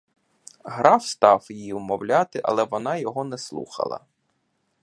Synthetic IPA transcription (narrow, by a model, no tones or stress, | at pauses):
ɦɾɑwst̪ɑwjijʊmɔwlʲɑt̪ɪʔɐ̰lˠɛʋɔnɑjɔɦɔnɛslˠṵxɐ̰lˠɐ̰